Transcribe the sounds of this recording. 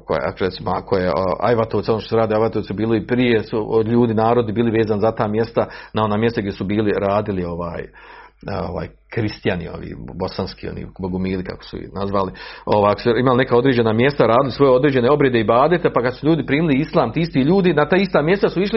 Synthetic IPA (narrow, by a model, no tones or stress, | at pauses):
ko̰j̰a̰koɾet̪simoa̰kojea̰jʋat̪oʋt̪onoʃt̪oseaːd̪iajʋat̪osubiːloipɾijesuʎuːd̪inaːɾo̞d̪ibiːliʋe̞ːzanizat̪aːmje̞st̪anaonaːmje̞st̪aɡjʲesubiːliɾaːd̪ilio̞ʋa̰ːj | o̰ʋa̰ːj | kɾist̪janḭo̰ʋḭːbo̞sanskḭːo̰nḭːboɡomiːlika̰ko̥sṵḭnazʋalio̞ʋaːjakosuimaline̞kaːo̞d̪ɾed͡ʑe̞naːmje̞st̪aɾaːd̪ɪlisʋo̞jeo̞d̪ɾeːd͡ʑd͡ʒe̞neo̞bɾje̞d̪eibaːd̪et̪epakad̪suʎuːd̪ipɾiːmiliislˠaːmt̪iːist̪iːʎuːd̪inat̪aːist̪aːmje̞st̪asuiʃli